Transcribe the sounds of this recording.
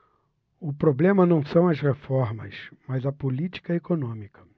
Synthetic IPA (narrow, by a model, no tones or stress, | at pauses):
ʊpɾoblẽmɐnɐ̃w̃sɐ̃w̃ɐsʁefɔɾmɐ̰smɐzɐpolit͡ʃi̥kɐekonõmikɐ̥